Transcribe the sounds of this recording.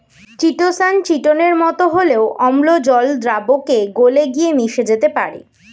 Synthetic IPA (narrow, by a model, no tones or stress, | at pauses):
t͡ɕiʈosant͡ɕiʈoneɾmɔt̪oɦoleoʔɔmlod͡ʑɔld̪ɾabokeɡoleɡiemiʃed͡ʑet̪epa̰ɾḛ